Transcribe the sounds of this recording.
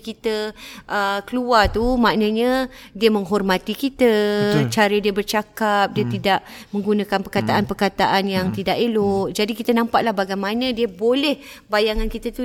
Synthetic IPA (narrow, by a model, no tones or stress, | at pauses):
kit̪əʔəkəluat̪umaʔnə̃ɲə̃diəməŋɦɔrmat̪ikit̪ət͡ʃaɾidiəbərt͡ʃakap̚diət̪idaʔ | mə̃ŋɡunãkanpərkat̪aʔanpərkat̪aʔanjaŋt̪idaʔeloʔd͡ʒadikit̪ənampaʔlahbaɡajmanə̃diəbolɛh | bajaŋankit̪ət̪u